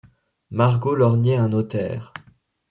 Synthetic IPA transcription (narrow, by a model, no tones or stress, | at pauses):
maʁɡolɔʁnjɛɛ̃not̪ɛ̰ːʁ